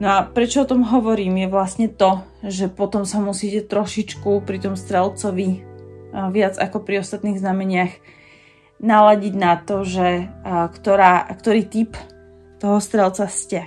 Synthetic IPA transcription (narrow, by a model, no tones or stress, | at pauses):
nɔapɾɛt͡ʃɔɔt̪ɔmɦɔʋɔɾiːmjɛʋlasɲɛt̪ɔ | ʒɛpɔt̪ɔmsamusiːcɛt̪ɾɔʃit͡ʃkupɾit̪ɔmst̪ɾɛlt͡sɔʋi | ʋɪad͡zakɔpɾiɔst̪at̪niːɣznamɛɲɪax | nalaɟiɟnat̪ɔʒɛkt̪ɔɾaːkt̪ɔɾiːt̪ip | t̪ɔɦɔst̪ɾɛlt͡sascɛ